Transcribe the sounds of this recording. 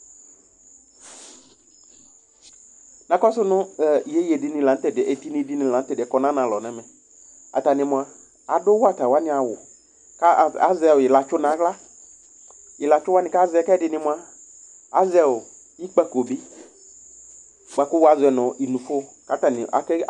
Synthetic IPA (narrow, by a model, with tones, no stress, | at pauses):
nã˨kɔ˦sʊ˦nʊ̃˦˨je˦je˨dɪ˨nɪ̃˨lã˨n̩˦t̪ɛ˨dʔe˨t̪i˦nĩ˧˦di˦nɪ̃˨lã˨n̩˦t̪ɛ˨dɪ˨ɛ˨kɔ˦nã˦nã˨lɔ˨nɛ˨mɛ˨ | a̰˨t̪a˨nɪ̃˨mʊ̃˨a˨ | a̰˨dʊ˦wa˦t̪a˨wa˦nɪ̃˨a˨wʊ˨ | ka˦˨a̰˦zɛ˦˨wʊ˨jɪ˨la˨t͡ʃʊ˦nã˨˦ɡla˦ | jɪ˨la˨t͡ʃʊ˦wa˦nɪ̃˨ka˦zɛ˦˨ka˦ɛ˦dɪ˨nɪ̃˨mʊ̃˨a˨ | a̰˦zɛ˦wʊ˨ | ji˦k͡pɛ˦ko˨bi˦ | k͡pa˨kʊ˦wa˨zʊ˨ɛ˨nʊ̃˨i˨nũ˨fʊ˦˨ | ka˦ta˨nɪ̰˨a˨kɛ˦